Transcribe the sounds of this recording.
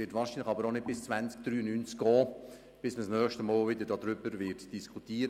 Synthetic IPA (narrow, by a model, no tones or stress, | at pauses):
ɪtvʋɑːɾʃinləxɑbəɾonɪt̚b̥ɪst͡svænt͡sk̚d̥̪ɾyːənynt͡skɡ̥ɔː | b̥ɪsməsnœːχʃtəmɔːlvɪdəɾdɑːd̪ɾʏbəɾvɪɾtd̥iskʰutiːəɾə